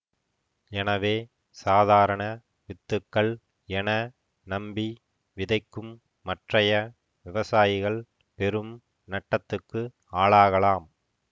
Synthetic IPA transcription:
ɛnɐʋeː | saːðaːɾɐɳɐ | ʋɪt̪ːɯkːɐɭ | ɛnɐ | nɐmbi | ʋɪðɐɪkːɯmː | ɐʈrɐjɐ | ʋɪʋɐsaːjɪɣɐɭ | pɛɾɯm | nɐʈːɐt̪ːɯkːɯ | aːɭaːɣɐlaːm

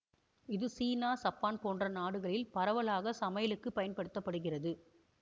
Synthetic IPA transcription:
ɪðɯsiːnaːsɐpːaːnpoːndrɐnaːɽɯɣɐɭɪlpɐɾɐʋɐlaːɣɐsɐmɐjɐlɯkːɯpːɐjɐnpɐɽɯt̪ːɐpːɐɽɯɣɪrɐðɯ

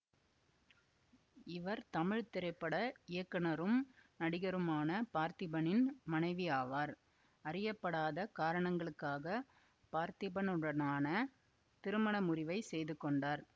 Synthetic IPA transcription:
ɪʋɐɾt̪ɐmɪɻt̪ɪɾɐɪpːɐɽɐɪjɐkːɐnɐɾɯmnɐɽɪɣɐɾɯmaːnɐpaːɾt̪ɪbɐnɪnmɐnɐɪʋiaːʋaːɾ | ɐrɪjɐpːɐɽaːðɐkaːɾɐɳɐŋɡɐɭɯkːaːɣɐ | paːɾt̪ɪbɐnɯɽɐnaːnɐ | t̪ɪɾɯmɐɳɐmʊrɪʋɐɪsɛjðɯkːɔɳɖaːɾ

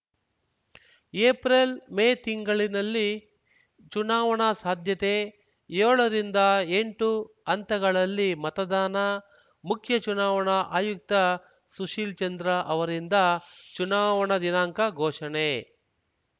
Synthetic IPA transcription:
eːpɾelmeːt̪iŋɡɐɭinɐlːi | t͡ʃunaːʋɐɳɐsaːd̪ʱjɐt̪e | joːɭɐɾind̪ɐeɳʈu | ɐnt̪ɐɡɐɭɐlːimɐt̪ɐd̪aːnɐ | mukʰjɐt͡ʃunaːʋɐɳɐʔa̰ːjuk̚t̪ɐ | suʂiːlt͡ʃɐnd̪ɾɐʔɐʋɐɾind̪ɐt͡ʃunaːʋɐɳɐd̪inaːŋkɐɡʱɔːʂɐɳe

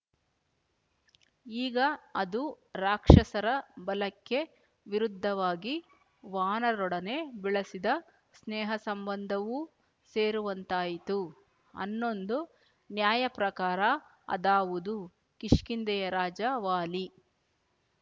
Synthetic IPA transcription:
iːɡɐɐd̪u | ɾaːkʂɐsɐɾɐbɐlɐkːe̞ | ʋiɾud̪ʱːɐʋaːɡi | ʋaːnɐɾɔɽɐne̞biɭɐsid̪ɐ | snɛːɦɐsɐmbɐnd̪ʱɐʋu | seːɾuʋɐnt̪aːjit̪u | ɐ̰nːo̞nd̪u | njaːjɐpɾɐkaːɾɐ | ɐ̰d̪aːʋud̪u | kiʂkind̪ɛjɐɾaːd͡ʒɐʋaːli

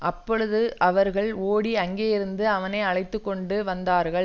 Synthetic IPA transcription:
ʔɐpːɔɻɯðɯʔɐʋɐɾɣɐɭoːɽiɐŋɡeːjɪɾɯnd̪ɯɐʋɐnɐɪɐɭɐɪt̪ːɯkːɔɳɖɯʋɐnd̪aːɾɣɐɭ

